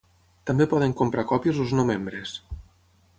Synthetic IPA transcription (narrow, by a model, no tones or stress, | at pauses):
t̪ambepɔð̞eŋkompɾakɔpjozoznomembɾes